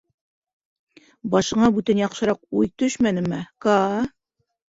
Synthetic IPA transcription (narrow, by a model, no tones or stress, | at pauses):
bɑʃɤ̆ɴɑbʉt̪ænjɑqʃɤ̆ɾɑqujt̪ɵʃmænɘ̆mækɑ